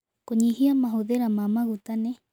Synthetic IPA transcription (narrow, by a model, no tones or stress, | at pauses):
koɲiɦiamaɦoðeɾamamaɣut̪ane